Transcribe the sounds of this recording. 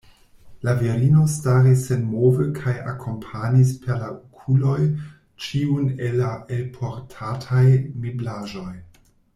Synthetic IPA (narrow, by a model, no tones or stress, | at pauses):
laveɾino̞staɾisːe̞nmovəkʰaja̰kʰo̞mpʰanispʰe̞ɾlaukʰulo̞j | t͡ʃiunelːaʔelpʰo̞ɾtʰatʰajmiblaʒo̞j